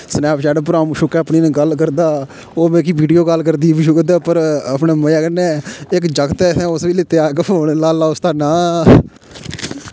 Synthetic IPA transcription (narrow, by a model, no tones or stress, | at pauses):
snɛːpt͡ʃɛːɖp̬ɾaːmʃʊkɛːəpniñːɡəlkəɾd̪aː | oːmɛ̃ːkiːbiːɖijoːɡəlkəɾd̪iːbiːʃʊkd̪aːpəɾəpneːməjãːkənːɛːɪkd͡ʒəkt̪ɛːsɛ̃ːʊsʋiːlɪt̪eaːkoːnlaːlaːʊst̪aːnaː